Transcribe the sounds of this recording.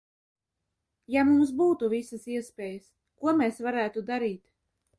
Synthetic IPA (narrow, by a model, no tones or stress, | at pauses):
jamumsbuːt̪uvisasiɛspʲeːjəs | kuɔmeːsvaɾæːt̪ud̪aɾiːt̪